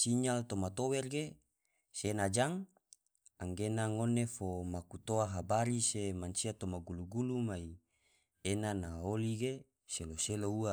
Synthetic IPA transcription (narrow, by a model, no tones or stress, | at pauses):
siɲalt̪omat̪owɛrɡe | senad͡ʒaŋ | aŋɡenaŋonefomakut̪oaɦabaɾisemansiat̪omaɡuluɡulumai | enanaoliɡe | seloseloua